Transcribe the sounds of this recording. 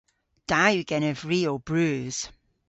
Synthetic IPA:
d̥ajʉɡ̥ɛnəvɹiːob̥ɹʉːz̥

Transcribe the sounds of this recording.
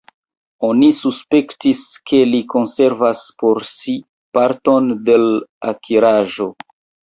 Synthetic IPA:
o̞nisuspe̞ktiskʰe̞liko̞nse̞ɾvaspo̞ɾsi | paɾto̞nde̞la̰kʰiɾaʒo̞

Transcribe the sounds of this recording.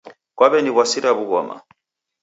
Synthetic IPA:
kwaβɛniβwasiɾaβuɣɔma̰

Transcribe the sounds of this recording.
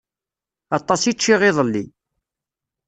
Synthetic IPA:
ɑt̪ˤːɑsit͡ʃːiʁɪðˤəlːi

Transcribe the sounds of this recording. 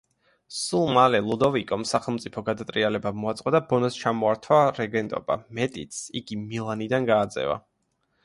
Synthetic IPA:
sulˠmalɛlˠud̪ɔvikʼɔmsaχɛlˠmt̪sʼipʰɔɡad̪at̪ʼɾialɛbamɔat̪sʼqʼɔd̪abɔnɔst͡ʃʰamɔaɾt̪ʰwaɾɛɡɛnt̪ʼɔ̰ba̰mɛt̪ʼit̪siɡimilˠanid̪anɡaːd̪zɛ̰va̰

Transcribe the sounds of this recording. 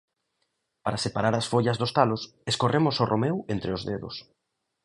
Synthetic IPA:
paɾasepaɾaɾasfoʎɐzðost̪alos | eskorʔemosorʔomewent̪ɾeozðeðʊ̰s

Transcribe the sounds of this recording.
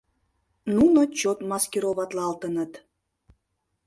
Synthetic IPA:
nunot͡ɕot̪mɑskʲeɾoβɑt̪lɑlt̪ənət̪

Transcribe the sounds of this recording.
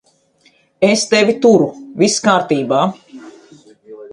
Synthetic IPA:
est̪evʲit̪uɾuviskaːɾt̪iːbaː

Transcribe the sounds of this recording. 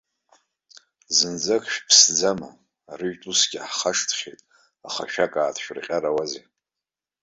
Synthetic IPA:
zɨnd͡zakʰʼʃᶣpʰsd͡zama̰ː | rɨɥᶣtʼusɡʲɪħχaʂtʰχʲejtʼ | aχa̰ʃᶣakʼaːtʰʃᶣrqʲʼaɾawazḛ

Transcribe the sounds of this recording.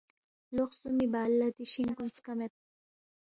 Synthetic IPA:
loχsumibaːlːɐt̪iʃiŋkunskɐmet̪̚

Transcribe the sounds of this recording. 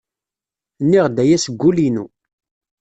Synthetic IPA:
nːiʁd̪æjæsəɡːulinṵ

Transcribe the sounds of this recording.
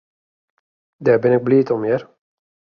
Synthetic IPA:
dɛːɾbɪnɪk̚bliːt̪ɔmeːɾ

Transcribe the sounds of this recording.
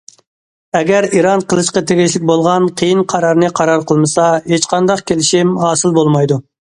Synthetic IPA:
ɛɡʲæɾiɾɑnqʰəlˠɨʃqɑt̪ʰeɡʲiʃlɪk̚ʲbolˠʁɑnqʰəjinqʰɑɾɑɾnɨqʰɑɾɑɾqʰəlˠmɨsɑɦet͡ʃqʰɑnd̪ɑqkʲʰelɪʃimɦɑːsɨlˠbolˠmɑjd̪u

